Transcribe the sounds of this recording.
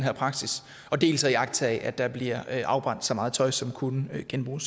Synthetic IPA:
nɦḛpʰʁɑ̈ɡ̥sis | ɒ̽d̥e̝̰ːlsɐiɑ̈ɡ̥̚t͡sʰæɛ̰ʔæd̥ɑ̈b̥liɐ̰ʔɑ̈ʊb̥ʁɑ̈n̰d̥sɒ̽mɑ̈ːð̞̩ˠt͡sʰɒ̽ɪsɒ̽mkʰunəɡ̥enb̥ʁṵːs

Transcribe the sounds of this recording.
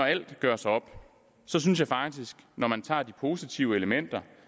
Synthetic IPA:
ɒæl̰d̥ɡ̥ɶɐ̰sɑɒ̽b̥ | sɒ̽s̬yns̬jɑ̈ɪfɑ̈ɡ̥d̥isɡ̥nɒmænt͡sʰɑ̰̈ːd̥ipʰo̝ːsit͡sʰiʊəeləmen̰d̥ɐ

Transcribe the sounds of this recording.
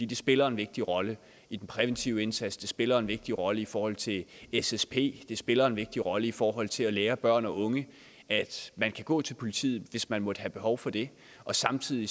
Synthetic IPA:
d̥ḭːd̥e̝sb̥e̝lɐenʋe̝ɡ̥̚d̥iʁɒ̽lə | id̥en̩pʰʁɛʋent͡sʰiʊ̰əe̝nsæd̥sd̥e̝sb̥e̝lɐe̝nʋe̝ɡ̥̚d̥iʁɒ̽ləifɒːhɒ̽l̰t͡sʰe̝esespʰe̝̰ːd̥e̝sb̥e̝lɐe̝nʋe̝ɡ̥̚d̥iʁɒ̽ləifɒːɦɒ̽l̰t͡sʰe̝æleːɐb̥ɶɐ̰nɒ̽ʔɔ̽ŋə | æd̥mænkʰæɡ̥ɔ̰ːt͡sʰe̝lpʰo̝lit͡sʰḭːð̩ˠʋe̝smænmɔ̽d̥ɦæb̥e̝ɦɒʊfɒ̽d̥e̝ | ɒ̽sɑ̈mt͡sʰið̰ˠi

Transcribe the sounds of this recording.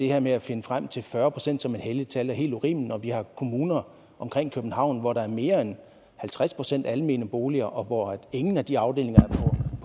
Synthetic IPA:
d̥e̝heɐmeæfe̝nəfʁam̰t͡sʰe̝lfɶɐpʰʁo̝sen̰d̥sɒ̽me̝d̥ɦelit͡sʰælæɐɦe̝̰ːld̥uʁḭːmnɒ̽ʋihɑ̈kʰo̝muːnɐ | ʔɒ̽mkʰʁeŋ̰kʰøb̥n̩hɑ̈ʊ̰nʋɒɾ̥ɑ̈æɐme̝ːɐen | hælt͡sʰʁaspʰʁo̝sen̰d̥æləme̝ːnəb̥o̝ːliɐʔɒ̽ʋɒe̝ŋn̩æd̥iɑ̈ʊd̥e̝̰le̝ŋɐæɐpʰɒpʰ

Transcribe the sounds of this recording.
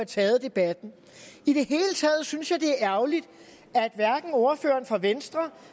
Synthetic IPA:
æt͡sʰɛːð̩ˠd̥e̝b̥æd̥n̩ | id̥e̝ɦe̝ːlət͡sʰɛːð̞̩ˠsynsjɑ̈ɪd̥e̝æɐʔæʊlid̥ | æɐed̥ʋæɐɡ̥n̩ɔɐfø̰ːɐnfʁɑʋensd̥ʁɐ

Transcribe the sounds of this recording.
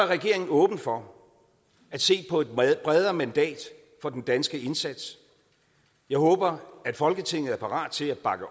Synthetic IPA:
æɐʁɛɡ̥e̝ɐe̝ŋn̩ɔ̽ːb̥n̩fɒ | æd̥se̝̰ːpʰɒ̽e̝d̥̚b̥ʁɛð̞ˠɐmænd̥ɛ̰ːd̥ | fɒ̽d̥end̥ænsɡ̥əe̝nsæd̥s | jɑ̈ɪhɔ̽ːb̥ɐæd̥fɒ̽lɡ̥ət͡sʰe̝ŋ̰ð̩ˠæɐpʰɑ̈ʁɑ̰̈ːd̥t͡sʰe̝læb̥ɑ̈ɡ̥ə

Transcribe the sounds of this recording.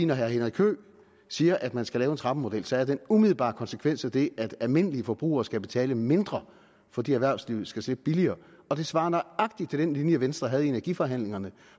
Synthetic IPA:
inɒɦæɐɦenɐʁikʰø̰ː | siːɐʔæd̥mænsɡ̥ælɛːʊe̝nt͡sʰʁɑ̈b̥əmo̝d̥el̰sɒ̽æɐd̥enumiðˠl̩ˠb̥ɑ̰̈ːkʰɒ̽nsə̥kʰʋen̰sæd̥e̝ʔæd̥ælme̝n̰əliəfɒ̽b̥ʁṵːɐːsɡ̥æb̥e̝t͡sʰɛ̰ːləme̝nd̥ʁɐ | fɒ̽d̥ḭːæɐʋæɐ̰sliʊ̰sɡ̥æsleb̥̚b̥iliɐː | ɒ̽d̥e̝sʋɑ̈ːnɒɑ̈ɡ̥̚d̥i̥t͡sʰe̝ld̥enlinjəæʋensd̥ʁɐɦæð̞ˠe̝næɐɡifɒ̽ɦæn̰le̝ŋɐnə

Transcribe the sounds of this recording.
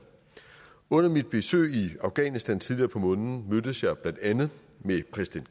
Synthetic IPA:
ɔ̽n̰ɐmid̥̚b̥e̝sø̰ːiɑ̈ʊɡ̥ɛ̰nisd̥ænt͡sʰiðˠliɐːpʰɒ̽mɔ̽nn̩mød̥əsjɑ̈b̥lænd̥ænð̩ˠ | mepʰʁɛsi̥d̥en̥

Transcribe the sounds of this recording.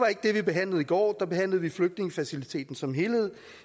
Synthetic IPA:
ʋɑ̈e̝ɡ̥əd̥e̝ʋib̥e̝ɦæn̰lð̞̩ˠiɡ̥ɒ̰ːd̥ɑ̈b̥e̝ɦæn̰ləð̞̩ˠʋifløɡ̥̚d̥ne̝ŋəfæsilit͡sʰe̝̰ːd̥n̩sɒ̽mɦe̝lheð̰ˠ

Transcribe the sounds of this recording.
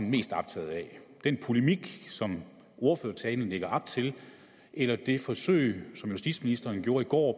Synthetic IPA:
nme̝̰ːsd̥ɑ̈b̥t͡sʰɛ̰ːð̩ˠɛd̥enpʰo̝lemiɡ̥sɒ̽m | ʔo̝ɐføɐt͡sʰɛːn̩leɡ̥ɐʔɑ̈b̥̚t͡sʰe̝l | ʔelɐd̥e̝fɒ̽sø̰ɪ̰sɒ̽mjusd̥ḭ̥ːsminisd̥ɐːnɡ̥jo̝ːɐiɡ̥ɒ̰ː

